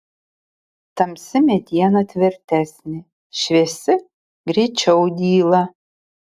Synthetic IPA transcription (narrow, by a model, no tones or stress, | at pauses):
t̪ɐmsʲɪmʲed̪ʲijɛnɐt̪ʲvʲɪrt̪ʲʰæːsʲnʲɪ | ʃvʲesɪ | ɡrʲiːt͡ʃʰɛwd̪ʲiːlˠɐ